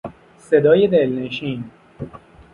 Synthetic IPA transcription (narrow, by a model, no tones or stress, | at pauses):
se̞d̪ɒːjed̪elneʃiːn